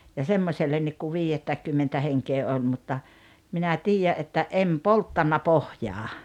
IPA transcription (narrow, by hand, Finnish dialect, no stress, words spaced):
jɑ semːoselːenːik kuʋ ʋiːjetːæikːymːentæ heŋkeː olʲ mutːɑ minæ tiːjæ etːæ ʔem poltːɑnːɑ pohjɑː